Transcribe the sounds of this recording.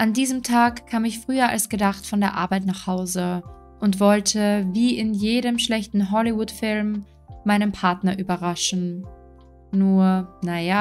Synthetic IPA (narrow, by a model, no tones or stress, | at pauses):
ʔandiːzəmtʰaːkkʰːaːmɪçfʁ̥yːɐʔa̰lsɡ̥ədaχtfɔndeːɐʔa̰ɐbaɪtnaːχhaʊzə | ʔʊntv̥ɔltʰəviːʔɪnjeːɾəmʃlɛçtn̩ɦɔlivʊtfɪlmː | aɪnəmpʰaɐtnɐʔyːbɐʁaʃn̩ | uːɐnajaː